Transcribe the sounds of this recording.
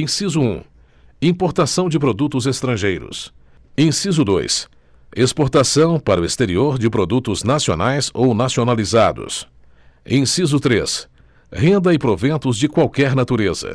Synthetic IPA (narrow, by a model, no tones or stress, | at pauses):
ẽsizʊũ | ĩpoɾt̪asɐ̃w̃d͡ʒɪpɾod̪ut̪ʊzest̪ɾɐ̃ʒejɾʊ̰s | ẽsizʊd̪ojs | espoɾt̪asɐ̃w̃paɾʊest̪eɾioɾd͡ʒɪpɾod̪ut̪ʊznasio̰najzownasionalizad̪ʊ̰s | ẽsizʊt̪ɾes | hẽnd̪ɐɪpɾovẽnt̪ʊzd͡ʒɪkwawkɛɾnat̪uɾezɐ̰